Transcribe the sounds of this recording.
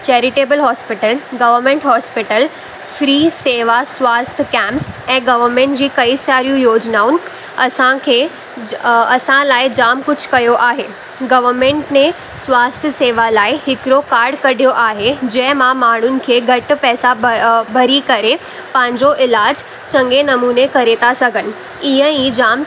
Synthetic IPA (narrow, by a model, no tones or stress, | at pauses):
t͡ɕɛːɾɪʈeːbəlɦɔːspɪʈəlɡɐʋəɾmẽɳʈɦɔːspɪʈəl | fɾiːseːʋaswaːst̪ʰkɛ̃ːmpsɛ̃ːɡɐʋəɾmẽɳʈd͡ʑiːkɐisaːɾijũjoːd͡ʑnaːʊnɪ̆ | ɐsãkʰeː | ɐsãlaːɪd͡ʑaːmkʊd͡ʑ̆ʱkɐjoʔaːɦeː | ɡɐʋəɾmẽːɳʈnẽ | sʋaːst̪ʰəseːʋalaːɪɦɪkɾokaːɾɖkɐɽʱijoʔaːɦed͡ʑɐ̃ɦɪ̃mãmaːɳ̤ʊnɪ̆kʰeːɡʱɐʈpɛːsabʱɐɾikɐɾe | pɐ̃ɦɪ̃ɲd͡ʑoʔɪlaːd͡ʑ | t͡ɕɐ̃ŋɡenɐmuːnekɐɾet̪ʰasɐɡʱənɪ̆ | iɦə̃ĩd͡ʑaːm